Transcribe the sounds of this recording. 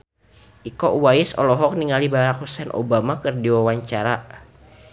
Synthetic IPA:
ʔikɔʔwaisɔ̰lɔɦɔk̚niŋalibaɾak̚husɛnʔo̰bamakɨrdiwawaɲt͡ʃaɾa

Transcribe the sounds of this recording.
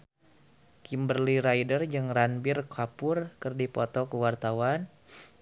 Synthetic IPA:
kimbərliɾajdərd͡ʒɨŋɾanbirkʰapʊrkərdipɔt̪ɔkəwart̪awan

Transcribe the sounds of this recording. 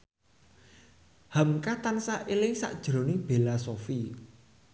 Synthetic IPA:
hamkat̪ansaʔelɪŋsa̰ʔd̥ʒ̥ɾo̤nɪŋb̥e̤lasofi

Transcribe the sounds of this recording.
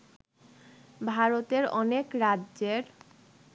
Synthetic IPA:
bʱaɾot̪eɾɔnekɾadʑeɾ

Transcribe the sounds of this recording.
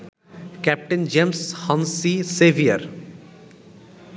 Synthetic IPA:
kɛp̚ʈend͡ʒemshə̃nsiseʋiəɾ

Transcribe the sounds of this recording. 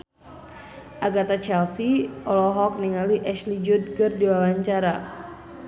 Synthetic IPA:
ʔaɡat̪at͡ʃɛlsiʔɔlɔɦɔk̚niŋaliʔɛʃlid͡ʒud̚ɡərdiwawaɲt͡ʃaɾa

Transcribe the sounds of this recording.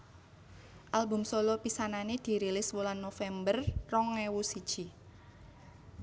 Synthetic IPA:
ʔalbʊ̤msolɔpisananed̪̥i̤ɾelɪswulanːofɛmbərrɔŋːewusid̥ʒ̥i̤

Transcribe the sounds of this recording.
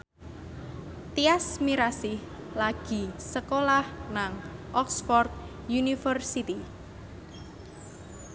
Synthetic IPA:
t̪iasmiɾasɪh | laɡ̥i̤səkolahnaŋʔɔksfɔrt̪̚ | junifərsit̪i

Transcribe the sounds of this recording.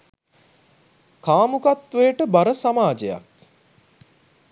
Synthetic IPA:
kaːmukat̪ʋejəʈəbaɾəsamaːd͡ʒeja̰k̚

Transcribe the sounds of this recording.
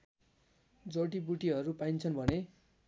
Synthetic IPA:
d͡zʌʈibuʈiɦʌɾupajnt͡sʰʌnbʱʌne

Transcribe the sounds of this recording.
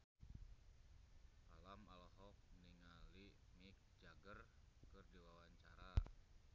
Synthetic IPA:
ʔalamalɦɔk̚niŋalimik̚d͡ʒaɡərkɨrdiwawaɲt͡ʃa̰ɾa

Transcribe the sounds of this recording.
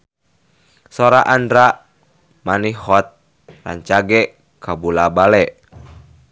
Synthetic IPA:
sɔɾaʔandɾa | manihɔt̪̚ | la̰nt͡ʃaɡɛ | kabulabalɛʔ

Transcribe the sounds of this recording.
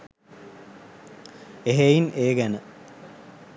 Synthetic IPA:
eɦeinʔeːɡænə

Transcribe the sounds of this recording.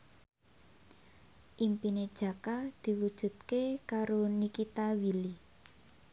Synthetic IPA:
ʔimpined̥ʒ̥ä̤kad̪̥i̤wud̥ʒ̥ṳt̪̚kekaɾonikit̪awili

